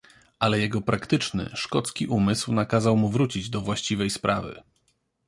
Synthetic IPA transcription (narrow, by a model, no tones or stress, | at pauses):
ʔalɛjɛɡɔpɾakt̪ɘt͡ʂnɘ̰ʂkɔt̪skʲiʔumɘswnakazawmuvɾut͡ɕid͡ʑd̪ɔvwaɕt͡ɕivɛjspɾʔavɘ̰